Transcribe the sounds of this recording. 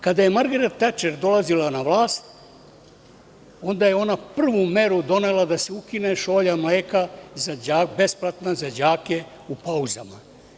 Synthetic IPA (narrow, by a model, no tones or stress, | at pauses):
kad̪aje̞maɾɡeɾat̪ːat͡ʃeɾd̪o̞lazilanaʋlˠaːst̪ | o̞nd̪ajeo̞napr̩ʋume̞ɾud̪o̞nelˠad̪aseukineʃo̞ːʎamleːkazad͡ʑaːbe̞splˠat̪nazad͡ʑaːke | upauzama